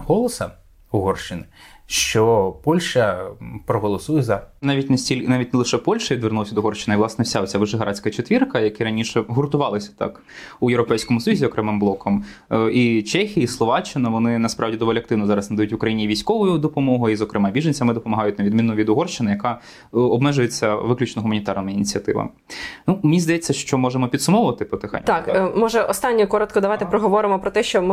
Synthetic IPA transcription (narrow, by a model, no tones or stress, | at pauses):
hɔlˠɔsɐ | ʊɦɔrʃt͡ʃɪnɪʃt͡ʃɔpɔlʲʃɐpɾɔɦɔlˠɔsujɛzɐnɑʋʲitʲnɐsʲtʲilʲnɑʋʲit̚ʲnɛlˠɪʃɛpɔlʲʃɐʋʲid̪ʋernulˠɐsʲɐd̪ɔɦɔrʃt͡ʃːɪnɐiʋlˠɑsnɛwsʲaɔt͡sʲaʋɔʒɛɦɐɾɑt͡sʲkɐt͡ʃet̪ʲʋʲirkɐjɐkɛɾɐnʲiʃɛɦʊrt̪ʊʋɑlˠɪsʲɐ̥t̪ɑ̰k | ujeʋɾɔpɛjsʲkɔmʊsɔjuzʲiɔkɾɛmɪmblˠɔkʰɔm | it͡ʃɛxʲijɐislˠɔʋɑt͡ʃːɪnɐʋɔnɪnɐspɾʔɑʋdʲid̪ɔʋɔlʲɪɐk̚t̪ɪwnɔzɑɾɐsnɐd̪ɐjutʲʋʊkɾɐjinʲiʋʲijsʲkɔʋʊjʊd̪ɔpɔmɔɦʊizɔkɾɪmɑbʲiʒenʲt͡sʲɐmɪd̪ɔpɔmɐɦɑjʊtʲnɐʋʲid̪mʲinːʊʋʲid̪ʊɦɔrʃt͡ʃɪnɪjɐkɑ | ɔbmɛʒʊjet͡sʲːɐʋɪklʲʉt͡ʃnɔɦʊmɐnʲit̪ɑrnɔminʲit͡sʲɐt̪ɪ̰ʋɐ̰mɪnumenʲizd̪ɐjɛt͡sʲːɐʃt͡ʃɔmɔʒemɔpʲid̪sʊmɔʋʊʋɐt̪ɪpɔt̪exnʲt̪ɑkmɔʒɛʔɔst̪ɑnʲːɔkɔɾɔt̪kɔd̪ɐʋajt̪ɪpɾɔɦɔʋɔɾɪmɔpɾɔt̪ɛʃt͡ʃɔm